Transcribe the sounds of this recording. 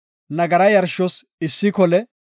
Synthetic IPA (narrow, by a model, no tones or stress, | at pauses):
nɐɡɐɾɐjɐɾʃɔs | ɪsːɪkɔlɛ